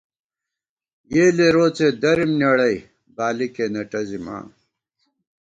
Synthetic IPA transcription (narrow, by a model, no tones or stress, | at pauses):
jeːleɾoːt͡sed̪ɐɾimnɐɽɐj | baːlikenɐʈɐzima̰ː